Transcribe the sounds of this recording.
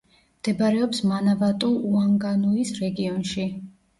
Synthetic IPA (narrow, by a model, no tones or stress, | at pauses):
md̪̥ɛbaɾɛɔpsmanavat̪ʼuuaŋɡanuisɾɛɡiɔnʃi